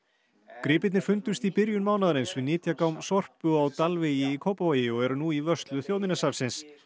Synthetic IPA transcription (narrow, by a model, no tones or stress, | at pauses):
kɾɪːpɪt̪nɪɾ̥fʏnt̪ʏst̪ipɪɾjʏnmaːwnaðaɾɪnsvɪðnɪːt̪jakawmsɔr̥pʏawt̪alvejɪikʰoːwpavaːjjɪɔɣɛɾʏnuivœst̪lʏθjowðmɪnasaɾsɪns